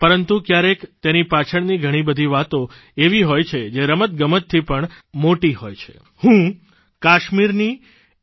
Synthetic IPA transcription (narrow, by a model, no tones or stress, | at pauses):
pəɾənt̪ukjaɾekt̪enipat͡ʃʰəɳniɡʱəɽ̃ibəd̪ʱiʋat̪o | eʋiɦojt͡ʃʰed͡ʒeɾəmət̪̚ɡəmət̪ʰːipəɳ | moʈihojt͡ʃʰe̥̰ | hũ | kaʃmiɾni